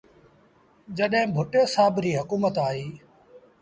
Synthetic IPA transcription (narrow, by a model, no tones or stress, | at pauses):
d͡ʒəɗɦɪ̃bʱʊʈoːsaːbɾiːɦʊkuːmət̪aːɦiː